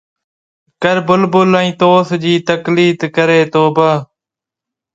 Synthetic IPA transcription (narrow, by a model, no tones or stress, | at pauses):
kəɾbʊlbʊlə̃ĩːt̪oːsd͡ʒiːt̪əkliːt̪kəɾeːt̪oːbə